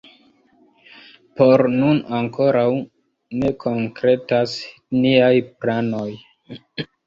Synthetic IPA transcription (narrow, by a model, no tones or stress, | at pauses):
poɾnunaŋko̞ɾaw | ne̞kʰo̞ŋkɾe̞tas | niajplano̞j